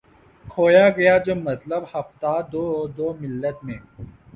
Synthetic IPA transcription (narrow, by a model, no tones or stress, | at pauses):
kʰoːjaːɡɐjaːd͡ʑɐmɐt̪ləbhɐft̪aːd̪oːd̪oːmɪlːɐt̪mẽː